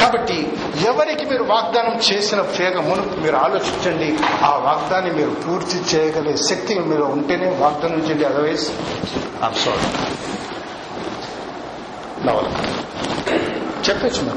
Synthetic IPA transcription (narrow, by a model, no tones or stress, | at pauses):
kaːbɐʈːi | ɛʋɐɾikimiːɾuʋaːɡ̚d̪aːnɐmt͡ʃe̞ːsinɐpɾɛːɡɐmunukumiːɾuaːlo̞ːt͡ʃiɲt͡ʃɐɳɖiaːʋaːɡd̪aːnːimiːɾupuːɾt̪it͡ʃɛːjɐɡɐleːʃɐk̚t̪imiːɾloːuɳʈeːneːʋaːɡ̚d̪aːnɐmt͡ʃeːɳɖiɐlɐʋɐjs | a̰ːmsa̰ːɾḭ | nɐ̰ʋɐ̰lɐ̰ | t͡ʃɛpːeːt͡ʃːumḭːk